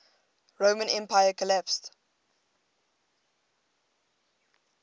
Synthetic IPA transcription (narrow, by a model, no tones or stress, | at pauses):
ɹoʊmə̃nɛ̃mpaɪəkʰɔlæpst